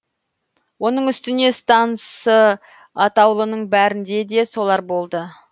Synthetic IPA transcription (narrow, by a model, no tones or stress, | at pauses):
wo̞nəɴʏst̪ɪne̞st̪ɑnəsə | ɑt̪ɑwlˠənəɴbæɾɪnd̪e̞d̪e̞so̞lˠɑɾbo̞lˠd̪ə